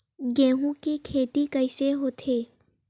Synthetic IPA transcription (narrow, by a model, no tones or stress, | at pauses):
ɡɛ̃ːɦũkikʰeːt̪ikəɪseɦoːt̪ʰeː